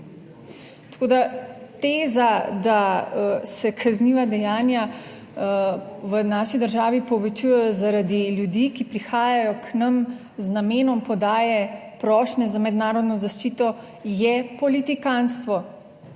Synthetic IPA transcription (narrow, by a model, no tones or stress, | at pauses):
t̪ḁkoːd̪at̪eːzad̪a | sɛkʰazniːʋad̪ɛjaːnja | ʋənaːʃid̪əɾʒaːʋipɔʋɛt͡ʃujɛjɔzaɾad̪iljud̪iːkipɾixaːjajɔknɐm | znameːnɔmpɔd̪aːjɛpɾɔːʃnɛzamɛd̪naːɾɔd̪nɔzaʃt͡ʃiːt̪ɔ | jɛpɔlit̪ikanst̪ʋɔ